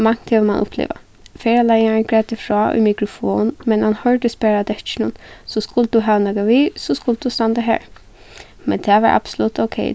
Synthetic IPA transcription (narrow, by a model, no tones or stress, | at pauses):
maŋ̥t̪hɛʋəmanʔʊ̰plḛːʋa̰ | feːɹalaɪjankʰɹɛːt̪ɪfɹɔːʔʊ̰jmikɹʊfo̰ːnnnmɛnhanhœɹd̪əspæːɹad̪ɛt͡ʃɪnʊnsɔskʊld̪̥uɦɛʋnɛkaʋiːsɔskʊld̪̥ust̪ɑnt̪aɦæ̰ːɹ | mɛ̰nt̪ʰɛːʋɑ̰ɹʔa̰b̥sʊlut̪oʊkʰɛ̰ɪ